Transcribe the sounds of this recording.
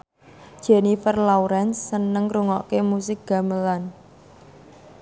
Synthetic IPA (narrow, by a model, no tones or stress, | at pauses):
d̥ʒ̥ɛnifərlawɾɛnsːənəŋruŋɔʔkemusɪk̚ɡ̥a̤məlan